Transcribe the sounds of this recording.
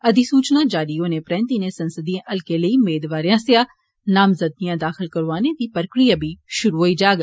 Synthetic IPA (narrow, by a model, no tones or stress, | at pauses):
ɐd̪isuːt͡ʃnad͡ʒaːɽijõːnepɾɛ̃ːnt̪inesɐnsəd̪ijẽʔɐlkeləiʊmeːd̪ʋaːɾjãːsejaː | naːmzəd̪̚nijãːd̪aːxɪlkɐɾʋaːned̪ipəɾkɾijabʱiʃʊɾuɦoid͡ʒaːɡ